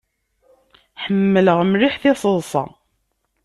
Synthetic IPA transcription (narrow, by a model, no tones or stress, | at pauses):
ħəmːələʁmɾiħθɪsˤəðˤsˤɑ̰